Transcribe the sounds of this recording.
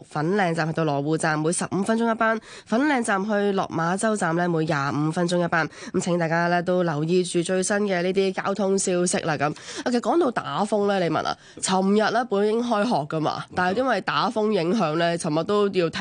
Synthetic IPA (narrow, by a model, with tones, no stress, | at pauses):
fɐ˨˥nlɛː˧ŋt͡saː˨mht̪o˧wlɔː˨˩wuː˨˧t͡saː˨mːuː˨˧jsɐ˨p̚m̩ː˨˧fɐ˥nt͡ʃʊ˥ŋjɐ˥t̚paː˥n | fɐ˨˥nlɛː˨˧ŋt͡saː˨mɦɵ˧ɥlɔ̰ː˨k̚maː˨˧t͡sɐ˥wt͡saː˨mlɛː˥muː˨˧jjaː˨m̩ː˨˧fɐ˥nt͡ʃʊ˥ŋjɐ˥t̚paː˥n˨˦mt͡sʰɪ˨˥ŋt̪aː˨jkaː˥lɛː˥t̪o˥wlɐ˨˩wjiː˧t͡ʃyː˨t͡ʃɵ˧ɥsɐ˥nkɛː˧niː˥t̪̬iː˥kaː˥wt̪ʰʊ˥ŋsiː˥wsɪ˥k̚laː˧˩kɐ˨˥maː˧kʰe˨˧˥kɔː˨˥ŋt̪o˧wt̪a̰ː˨˥fʊ˥ŋlɛː˥le˨˧jmɐ̰˨nʔa̰ː˨˩t͡sʰɐ˨˩mjɐ˨t̚lɛː˥puː˨˥njɪ˥ŋɦɔː˥jɦɔː˨kːɐ˥ma̰ː˧t̪aː˨nht̪ːnwɐ˨jt̪aː˨˥fʊ˥ŋjɪ˨˥ŋɦœː˨˥ŋlɛː˥t͡sʰɐ˨˩mɐ˨t̚t̪o˥wji˧wt̪ʰ